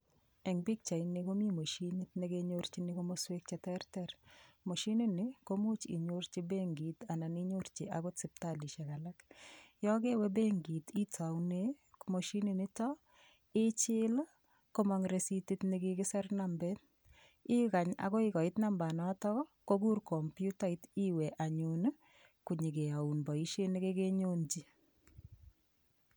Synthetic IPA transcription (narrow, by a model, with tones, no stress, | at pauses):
ɛ˨ŋbi˦k̚t͡ʃa˨inɪko˦mi˦mo˨ʃini˦tni˦ɡeɲoɾt͡ʃi˦nɪ˦ko˦mo˦swe˦k̚t͡ʃɛ˨tɛ˦ɾtɛɾmo˨ʃi˦ni˦nɪ˨ko˦mu˦t͡ʃḭ˨ɲo˦ɾt͡ʃi˦be˦ŋɡi˨ta˨na˨ni˦ɲo˦ɾt͡ʃɪ˨ʔa˨ɡʊ˦tsɪ˨p̚tali˨ʃɛ˨ka˨la˦kjɔ˦ɡe˦wɛ˦be˦ŋɡi˨ti˦ta˨wne˦ | kmo˨ʃi˦nɪ˨nɪ˦tɔ | ɪt͡ʃɪl | ko˦mɔŋɾe˨siti˦tniɡikɪ˦sɛ˦rnambɛt | ɪ˦ka˨ɲa̰kɔ˦ɪkɔ˨ɪ˦tna˦mba˨nɔ˦tɔɣɔ˦ko˦ɡu˦rkɔmpju˦ta˦ɪ˦ti˦wɛ˨ʔa˨ɲun | ku˨ɲi˨ke˨a˨u˨nbɔ˨i˦ʃe˦nɪ˦ke˦ke˦ɲo˦nd͡ʒi˦